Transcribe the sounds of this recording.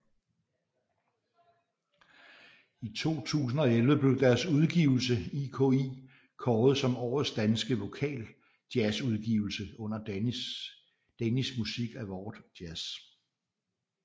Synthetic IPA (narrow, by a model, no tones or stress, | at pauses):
it͡sʰo̝̰ːt͡sʰṵːs̬n̩ɒ̽elʋəb̥le̝ʊd̥æɐsuð̞ˠɡ̥ḭːʊl̩səikʰoiː | kʰɒːð̞̩ˠsɒ̽mɒ̰ːð̩ˠsd̥ænsɡ̥əʋo̝kʰɛ̰ːl | d̥jæsuð̞ˠɡ̥ḭːʊl̩səɔ̽n̰ɐ | d̥enismusiɡ̥æʋɒd̥jæs